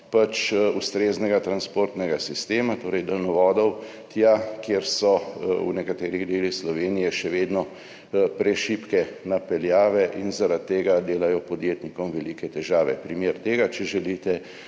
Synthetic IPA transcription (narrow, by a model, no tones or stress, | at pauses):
pat͡ʃust̪ɾeːznɛɡat̪ɾanspoːɾt̪nɛɡasist̪eːmat̪oːɾɛjd̪ɛlnɔʋɔːd̪ɔw | t̪jakjeɾsɔṵnɛkat̪eːɾiɣd̪eːlixslɔʋeːnijɛʃɛʋeːd̪nɔ | pɾɛʃiːpkɛnapɛljaːʋɛʔinzaɾat̪ːeːɡad̪eːlajɔpɔd̪jeːt̪nikɔmʋɛlikɛt̪ɛʒaːʋɛ̰pɾimeːɾt̪eːɡat͡ʃɛʒɛlit̪ɛ